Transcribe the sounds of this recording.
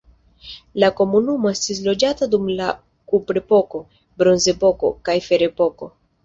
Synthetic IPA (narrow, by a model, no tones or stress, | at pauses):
lako̞munumo̞e̞stis̬lo̞d͡ʒatadumla | kupɾepo̞ko̞ | bɾo̞nze̞po̞ko̞̰kajfe̞ɾe̞po̞ko̞